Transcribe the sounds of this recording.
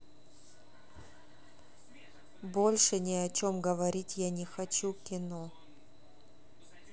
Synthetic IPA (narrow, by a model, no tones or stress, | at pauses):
bolʲʂɨnʲɪɐt͡ɕo̞mɡəvɐɾʲitʲjanʲɪxɐt͡ɕukʲɪno